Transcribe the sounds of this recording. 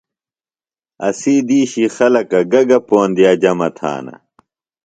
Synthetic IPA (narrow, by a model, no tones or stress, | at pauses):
ɐ̰siːd̪iːɕixɐlɐkɐɡɐɡɐpoːnd̪ijaːd͡ʑɐmɐt̪ʰa̰ːnɐ̰